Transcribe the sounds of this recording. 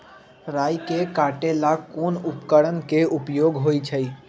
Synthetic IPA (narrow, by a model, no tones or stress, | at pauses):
ɾaːjkekaːʈelakoːnʊpkəɽənkeʊpjoːɡɦoːit͡ʃʰəi